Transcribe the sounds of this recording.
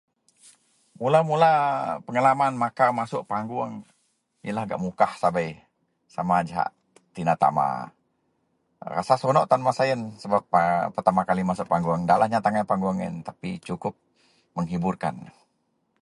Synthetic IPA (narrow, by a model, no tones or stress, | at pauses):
mulamulapəŋəlamanmakamasʊʔpaŋɡuaŋ | ijalahɡa̰ʔmukahsabaj | samad͡ʒaɦa̰ʔ | t̪inat̪a̰ma̰ | ra̰sasɔnɔʔt̪anmasaənsəbap̚ːərt̪amakalimasʊʔpaŋɡuaŋdalahɲat̪aŋapaŋɡuaŋɪ̰nt̪apit͡ʃukʊp̚ | məŋɦiburka̰n